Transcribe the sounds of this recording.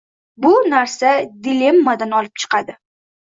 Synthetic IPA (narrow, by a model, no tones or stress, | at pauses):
bʊnaɾsad̪ɪle̞mːad̪anɒlɪp̚t͡ʃʰɨ̥qʰɑd̪ɪ